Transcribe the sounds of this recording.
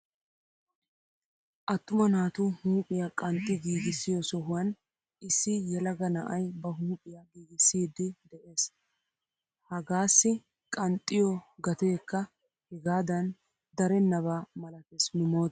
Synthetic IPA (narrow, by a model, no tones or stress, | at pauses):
ʔɐt̪ːʊmɐnaːt̪ʊhuːpʼɪjakʼɐnt̪ʼːɪɡiːɡɪsːɪjɔsɔɦʊwɐn | ɪsːɪjɛlɐɡɐnɐʔɐjbɐɦuːpʼɪjaɡiːɡɪsːiːd̪ːɪd̪ɛʔe̞ːs | hɐɡaːsːɪ | kʼɐnt̪ʼːɪjɔɡɐt̪e̞ːkːɐ | hɛɡaːd̪ɐn | d̪ɐɾɛnːɐβaːmɐlɐt̪esmɪmoːt̪